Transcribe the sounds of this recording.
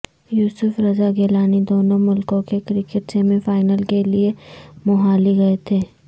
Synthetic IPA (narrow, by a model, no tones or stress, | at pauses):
juːsʊfɾɐzaɡeːlaːnid̪oːnõmʊlkõkekɾɪkɪʈsemẽfaːɪnəlkeliemʊɦaːliɡɐet̪ʰeː